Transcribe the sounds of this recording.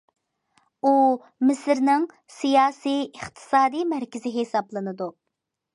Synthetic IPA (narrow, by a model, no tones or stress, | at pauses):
u | mɪsɾnɪŋ | sijɑːsijɨχt̪ʰɨ̥sɑːd̪ijmæɾkʲɪzɪɦesɑblˠɨnɨd̪u